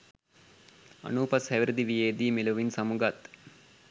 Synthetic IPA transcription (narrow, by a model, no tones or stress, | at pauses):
ɐ̰nuːpɐshæʋiɾəd̪iʋijeːd̪iːmeloʋinsamuɡat̪